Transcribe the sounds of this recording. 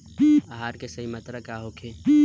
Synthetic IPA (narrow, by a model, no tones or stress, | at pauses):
aɦaːɾkesɐɦimɐt̪ɾəkaɦokʰe